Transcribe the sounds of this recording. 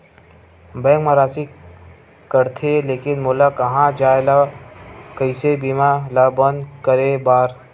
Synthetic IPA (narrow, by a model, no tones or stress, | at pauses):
bɛ̃ːkmaɾaːsi | kəɾt̪ʰeleːkɪnmoːlakɐɦãd͡ʒaːela | kəɪsebiːmalaːbənd̪kəɾebaːɾ